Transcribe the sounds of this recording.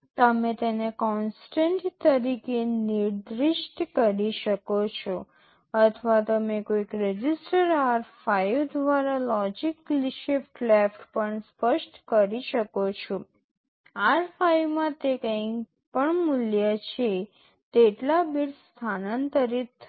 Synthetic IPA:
t̪əmet̪enekɔnsʈəɳʈt̪əɾikeniɾd̪ɾɪʃʈkəɾiʃəkot͡ʃʰo | ət̪ʰʋat̪omekoikɾed͡ʒisʈəɾaɾfajod̪ʋaɾalɔd͡ʒikliʃifʈlefʈpəɳspəʃʈkəɾiʃəkot͡ʃʰo | aɾfajʋmãt̪ekə̃ | pəɳmuljət͡ʃʰe | t̪eʈlabiɽst̪ʰanənt̪əɾitː

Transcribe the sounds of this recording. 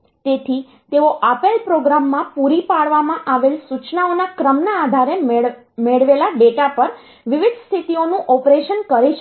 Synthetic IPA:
t̪et̪ʰi | t̪eoʔapelpɾoɡɾamːãpuɾipaɭʋamãʔaʋelsut͡ʃnaonakɾəmnaːd̪ʱaɾe | meɭʋelaɖeʈapəɾ | ʋɪʋɪd̪ʱst̪ʰit̪ionũʔɔpɾeʃənkəɾet͡ʃʰ

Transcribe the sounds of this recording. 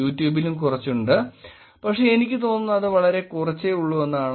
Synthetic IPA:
uːtːjuːbilumkurɐt͡ɕːuɳɖɨ | pɐkʂeenikʲːɨt̪o̞ːnːunːɐɐðɨʋɐɭɐɾe̞kurɐt͡ɕːeuɭːue̞nːaːɳ

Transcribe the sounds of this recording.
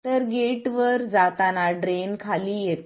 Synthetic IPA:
t̪əɾɡeʈʋəɾd͡zat̪anaɖɾenkʰalijet̪

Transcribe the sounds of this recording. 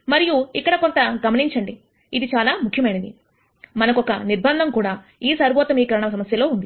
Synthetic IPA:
mɐɾijuikːɐɽɐkont̪ɐɡɐmɐniɲt͡ʃɐɳɖi | id̪it͡ʃaːlaːmukʰːjɐmɐjnɐd̪i | mɐnɐkɔkɐniɾbʱɐnd̪ʱɐmkuːɽaː | iːsɐɾbɔːt̪ɐmiːkɾɐɐɳɐmɐs̬ɐmɐsjɐlo̞ːund̪i

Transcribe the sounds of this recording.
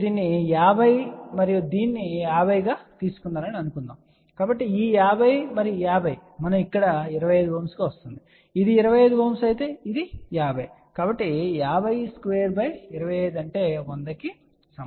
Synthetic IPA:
d̪iːnːijaːbʱɐjmɐɾijud̪iːnːijaːbʱɐjɡaːt̪iːsu̥kunːaːɾɐniɐnukund̪a̰ːm | kaːbɐʈːiiːjaːbʱɐjmɐɾijujaːbʱɐjmɐnɐmikːɐɽɐiɾɐʋɐjeːd̪ubʱɐːmsɡaːʋɐst̪und̪i | id̪iːɾɐʋɐjeːd̪ubʱoːmsɐjt̪e̞ːid̪ijaːbʱɐj | kaːbɐʈːijaːbʱɐjskʋeːɾbɐjiɾɐʋɐjeːd̪uɐɳʈe̞ːond̪ɐki | sɐm

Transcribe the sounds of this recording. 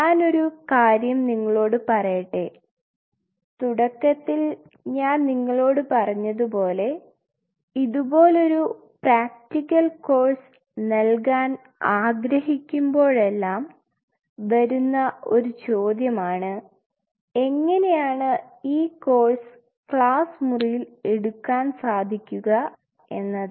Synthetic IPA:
ɲaːno̞ɾukaːɾjɐmniŋːɐɭo̞ːɽɨpɐrɐjɐʈːe | t̪uɽɐkːɐt̪ːil | ɲaːnniŋːɐɭo̞ːɽɨpɐrɐɲːɐðupo̞ːle̞ | iðubo̞ːlo̞ɾu | praːk̚tikːɐlko̞ːrs | nɐlkaːn | aːɡɾɐhikʲːumbo̞ːɭe̞lːaːm | ʋɐɾunːɐʔo̞ɾut͡ɕo̞ːd̪jɐmaːɳɨ | e̞ŋːɐne̞jaːɳɨ | iːko̞ːrs | kɭaːsmurijile̞ɽukːaːnsaːd̪ʱikʲːuɣɐ | e̞nːɐ

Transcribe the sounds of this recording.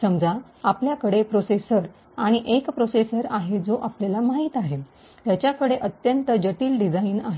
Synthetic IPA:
səmd͡za | apljakəɽepɾosesəɾ | aɽ̃iʔekpɾosesəɾaɦed͡zoʔapljalamaɦiːt̪aɦe | t̪jat͡ɕjakəɽeʔət̪jənt̪əd͡ʑəʈiːlɖid͡zainaɦe

